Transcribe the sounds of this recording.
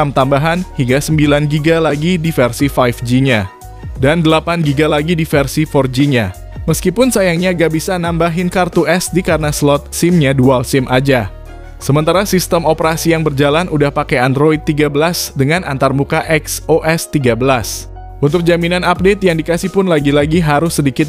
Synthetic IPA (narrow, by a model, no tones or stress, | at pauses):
amt̪ambaɦanhiŋɡasəmbilanɡiɡalaɡidifɛrsifajfd͡ʒiɲa | dandəlapanɡiɡalaɡidifɛrsifɔrd͡ʒiɲa | məskipʊnsajaŋɲaɡabisanambaɦɪnkart̪uʔɛsdikaɾənaslɔt̪̚sɪmɲadualsɪmʔad͡ʒa | səmənt̪aɾasist̪əmopəɾasijaŋbərd͡ʒalanudahpakajandɾoid̪̚t̪ːiɡabəlasdəŋanʔa̰nt̪armukaʔɛksoʔɛst̪iɡabəlas | ʔunt̪ʊk̚d͡ʒaminanap̚det̪̚jaŋdikasɪhpʊnlaɡilaɡiɦaɾʊsːədikɪt̪̚